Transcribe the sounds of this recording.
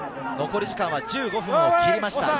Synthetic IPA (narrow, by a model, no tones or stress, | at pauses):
no̞ko̞ɾʲiʑikãɰ̃βad͡ʑɨːɡo̞ɸɯ̟̃ŋ̃oiɾimaɕi̥t̪a̰